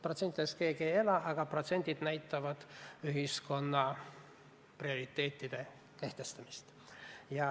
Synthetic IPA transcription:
pro̞t̪se̞nt̪id̪eske̞ːɡieje̞lɑʔɑɡ̥ɑpro̞t̪se̞nʲd̪̥ʲid̪̥næjt̪ːˑɑvɑd̪̥yɦisko̞nːɑ | prio̞ɾit̪ːˑe̞ːt̪ːid̪̥e̞ | ke̞ht̪e̞st̪ɑmist̪ | jɑ

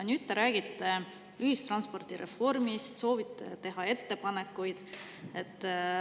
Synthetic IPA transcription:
nʲyt̪ːeɾæːɡ̥it̪ːˑe | yhist̪rɑnspo̞rt̪iɾe̞̰fo̞rmist̪so̞ːvit̪ːḛt̪e̞ɦɑe̞t̪ːe̞pɑnekːˑujd̪̥ | e̞t̪ː

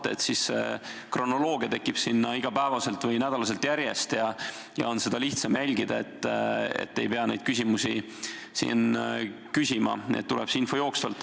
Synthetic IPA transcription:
t̪ːḛet̪sisḛkro̞no̞lo̞ːɡ̥iɑt̪e̞kːˑib̥sinːɑiɡ̥ɑpæevɑse̞lt̪vɤjnæd̪̥ɑlɑse̞lt̪jæɾje̞st̪jɑ | jɑ̰o̞nse̞d̪̥ɑliht̪sɑmjælʲɡ̥id̪ɑe̞t̪ˑːḛt̪ːe̞jpe̞ɑnejd̪̥kysʲimusʲi | sḭnkysʲimɑ̰n̰t̪ːulʔɛ̰psinfo̞jo̞ːkst̪ɑ̰lt̪ːˑ

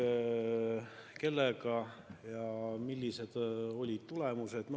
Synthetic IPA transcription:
ke̞lːeɡɑjɑmilʲːise̞d̪̥o̞lʲid̪̥t̪ulemuse̞d̪̥m

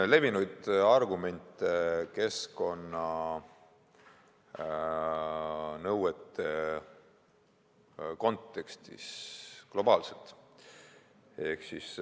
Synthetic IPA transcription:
le̞vinujd̪̥ɑrɡume̞nʲt̪eke̞sko̞nːɑ | nɤwet̪ːˑe̞ | ko̞nt̪ːˑe̞kst̪ḭsklo̞bɑːlse̞lt̪ | e̞hksis

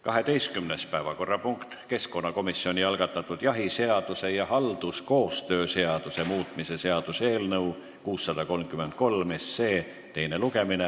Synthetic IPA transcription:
kɑɦe̞t̪e̞jst̪̚kymnespæevɑko̞rːɑpuŋkt̪ke̞sko̞nːɑko̞misːio̞nʲiɑlɡ̥ɑt̪ːˑɑt̪ːˑud̪̥jɑɦise̞ɑd̪̥use̞jɑɦɑld̪̥usko̞ːst̪ø̞ːse̞ɑd̪̥use̞muːt̪ˑmise̞se̞ɑd̪̥use̞ːlnɤw | kuːsːɑd̪̥ɑko̞lmkyme̞nt̪̚ko̞lmesːe̞ː | t̪e̞jne̞luɡe̞mine

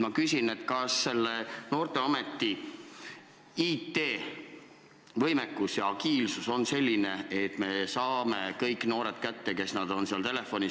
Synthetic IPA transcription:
mɑkysʲine̞t̪kɑsːe̞lːeno̞ːrt̪e̞ɑme̞t̪ːˑi | iːt̪ːe̞ː | vɤ̞jmekːˑusjɑɑkiːlsuso̞nse̞lʲːine̞et̪ːme̞sɑːme̞kɤjkːˑno̞ːɾet̪̚kæt̪ːe̞ke̞snɑd̪̥o̞nseɑlt̪e̞le̞fo̞nʲi

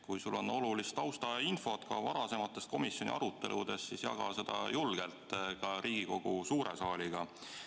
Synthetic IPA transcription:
kujsulːo̞no̞lulist̪ɑwst̪ɑinfo̞t̪kɑ̰vɑɾɑse̞mɑt̪ːˑest̪̚ko̞misjo̞nʲḭʔɑɾut̪ːˑe̞̰lʔud̪̥e̞sːisjɑ̰ɡ̥ɑ̰se̞d̪̥ɑ̰julɡ̥e̞lt̪ˑkɑɾʔiːɡ̥iko̞ɡ̥usuːɾḛsɑːlʲiɡ̥ɑ

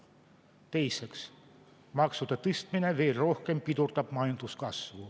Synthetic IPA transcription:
t̪eiseks | mɑksut̪ɑt̪ist̪mineʋerrohkempːit̪urt̪ɑpmɑint̪uskɑsʋoː

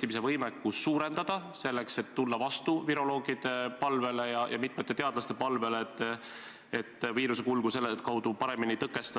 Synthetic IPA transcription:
t̪imise̞vɤjmekːusuːɾe̞nd̪̥ɑd̪̥ɑse̞lːe̞kse̞t̪ːulːɑvɑst̪uviɾo̞lo̞ːɡ̥id̪̥e̞pɑlve̞le̞jɑjʔɑ̰mit̪ˑmet̪ːˑe̞t̪e̞ɑd̪̥lɑst̪e̞pɑlve̞let̪ː | et̪ːˑviːɾuse̞kulɡ̥use̞lːet̪kɑwd̪̥upɑɾe̞miniejt̪ɤkːˑe̞st̪ɑ

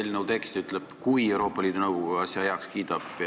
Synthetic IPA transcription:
elʲːinut̪e̞kst̪yt̪leb̥kujewɾo̞ːpːˑɑliːd̪unɤwɡuɡɑɑsjɑjɑkskiːd̪̥ɑb̥

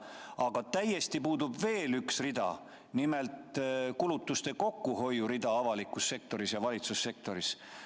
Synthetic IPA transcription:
ɑɡ̥ɑt̪æje̞st̪ipuːd̪ubve̞ːlyksrid̪ɑ̰ | nime̞lt̪ˑkulut̪ːˑust̪e̞ko̞kːuho̞juɾid̪ɑɑvɑlikːˑusːe̞k̚t̪o̞ɾisjɑvɑlʲit̪susːe̞k̚t̪o̞ɾis

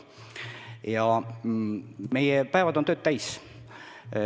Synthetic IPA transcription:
jɑ | me̞jepæevɑd̪ont̪øːt̪̚t̪æjs

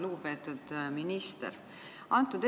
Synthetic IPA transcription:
luɡupe̞ːt̪ːˑud̪̥minist̪ḛɾ | ɑnt̪ːˑud̪̥e

